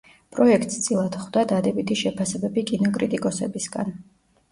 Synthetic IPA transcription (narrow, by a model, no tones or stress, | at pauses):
pʼɾɔɛkʰt̪ʼst̪sʼilˠad̪χwd̪ad̪ad̪ɛbit̪ʰiʃɛpʰasɛbɛbikʼinɔkʼɾit̪ʼikʼɔsɛbisɡa̰n